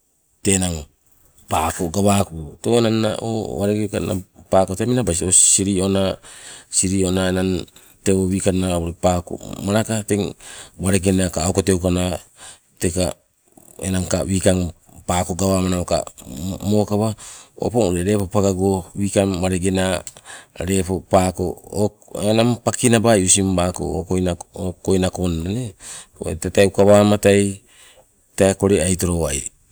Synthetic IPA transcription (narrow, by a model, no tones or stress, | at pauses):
te̞naŋ | pako̞ɡaβakotonanːa̰ʔo̰βaɾeɡekana̰paːkoteminabajs̬osiɾio̞nasiɾio̞naenan | teoβiːkanaoɾepaːko̰maɾakateŋβaɾeɡe̞nakaːwkotewkana | teka | enaŋkaβiːkaŋ | paːko̞ɡaβamanamoka̰mokaβao̰poŋɾeɾe̞popaɡaɡowiːkaŋwaɾeɡe̞na | ɾe̞popakoo | enaŋpakinabajusimbako̰okojnaokojnakonaneo̰ḛtatajukaβaːmataj | taeko̞ɾeajt̬o̞ɾowaj